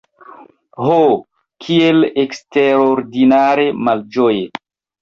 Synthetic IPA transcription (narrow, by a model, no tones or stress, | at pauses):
ho | kʰieleksteɾoɾdinaɾemald͡ʒoje